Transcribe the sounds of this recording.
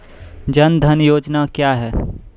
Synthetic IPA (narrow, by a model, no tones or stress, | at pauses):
d͡ʒɐnd̪ʱənjoːd͡ʒnakjaɦɛː